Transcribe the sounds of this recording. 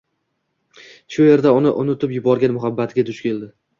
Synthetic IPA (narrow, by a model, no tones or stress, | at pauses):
ʃʊje̞ɾd̪aʊnɪʔʊnʊt̪ʰɪpjʊbɒɾɡʲanmʊɦabːat̪ʰɪɡʲad̪ʰʊʃkʲʰe̞ld̪ɪ